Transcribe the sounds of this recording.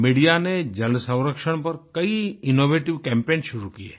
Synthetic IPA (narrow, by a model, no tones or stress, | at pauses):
miɽijaned͡ʒɐlsɐ̃wɾəkʃəɽ̃pɐɾkɐiɪnoːbeːʈɪʋkɛ̃mpẽːnʃʊɾukijḛ